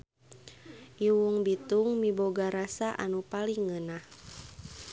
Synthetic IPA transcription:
ʔiwuŋbit̪uŋmiboɡaɾasaʔa̰nupaliŋːənah

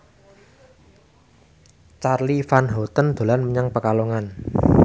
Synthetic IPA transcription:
t͡ʃarlifanɦot̪ənd̪̥o̤lanməɲaŋpəkaloŋan

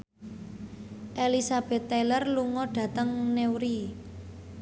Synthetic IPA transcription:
ʔelisab̥ɛ̤t̪ːɛlərluŋɔɖ̥ä̤t̪əŋnewɾi

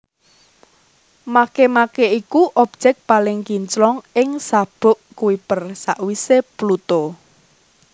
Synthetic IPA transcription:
makemakeikuʔɔb̥̚d͡ʒ̥ɛk̚palɪŋkiɲt͡ʃlɔŋɪŋsab̥ʊ̤ʔkuwipərsaʔwiseplut̪o

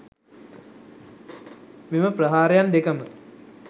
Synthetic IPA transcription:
meməprɐɦaːɾejand̪ekəmə

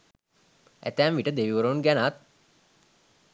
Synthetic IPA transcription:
ʔæ̰t̪æːmʋiʈəd̪eʋiʋuɾounɡænat̪̚

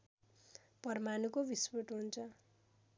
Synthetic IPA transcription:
pʌrmanukobispoʈɦunt͡sʰʌ

